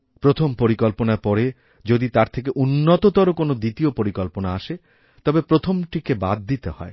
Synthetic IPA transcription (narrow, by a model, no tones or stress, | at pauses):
pɾot̪ʰompoɾikɔlponaɾpɔɾe | d͡ʑod̪it̪aɾt̪ʰek̬eʔunːot̪ot̪oɾokonod̪it̪iopoɾikɔlponaaʃe | t̪ɔbepɾot̪ʰomʈikebad̪̚ːit̪ehɔ̰e